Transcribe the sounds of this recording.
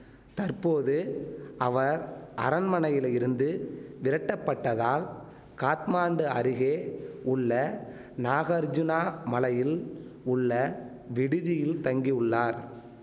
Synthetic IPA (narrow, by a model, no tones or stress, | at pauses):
t̪ɐɾpoːðɯʔɐʋɐɾʔɐ̰ɾɐnmɐnɐjɪlɪɾɯnd̪ɯʋɪɾɐʈːɐpːɐʈːɐðaːl | kaːt̪maːɳɖɯɐɾɪɣeːʊɭːɐ | naːɣɐɾd͡ʒʊnaːmɐlɐjɪlʊɭːɐ | ʋɪɽɯðɪjɪlt̪ɐŋɡiɯɭːaːɾ